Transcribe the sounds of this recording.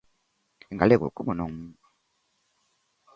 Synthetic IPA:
iŋɡalekṵkumunoŋ̩

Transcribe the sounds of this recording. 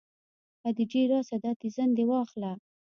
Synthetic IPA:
ad̪id͡ʒeɾɑsad̪at̪izand̪ewɑxla

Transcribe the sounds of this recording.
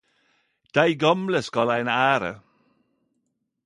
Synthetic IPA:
d̪̥æɪɡɔmləskɑlaɪnaːɾə̰

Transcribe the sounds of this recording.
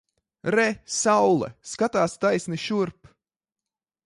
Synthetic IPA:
ɾɛsawlˠɛ̰skat̪aːst̪ajsʲniʃuɾp

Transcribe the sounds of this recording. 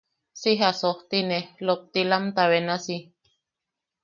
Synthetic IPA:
siɦasoht̪inelop̚t̪ilamt̪awenasi

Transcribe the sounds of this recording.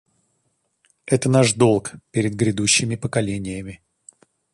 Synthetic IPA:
ɛt̪ənaʂd̪o̞lˠkpʲɪɾʲɪd̪̚ɡɾʲɪd̪uɕːɪmʲɪpəkɐlʲenʲɪjəmʲɪ

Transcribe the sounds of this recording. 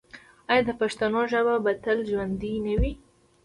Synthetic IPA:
ajad̪əpaʃt̪anoʒəbabat̪əlʒwand̪inəwi

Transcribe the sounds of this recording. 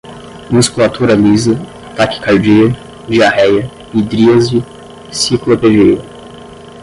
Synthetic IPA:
muskulat̪uɾɐlizɐat̪akɪ̥kaɾd͡ʒiɐ | d͡ʒiahɛjɐ | id̪ɾiɐzi | siklopeʒeʊ

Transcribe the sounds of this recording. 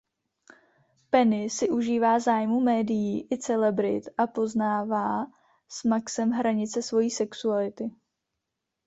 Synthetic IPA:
pɛnɪsɪʔuʒiːvaːzaːjmumɛːdɪjiːʔɪt͡sɛlɛbɾɪ̰t̪ʔapo̞znaːvaː | smaksɛmɦɾaɲɪt͡sɛsvo̞jiːsɛksualɪt̪ɪ

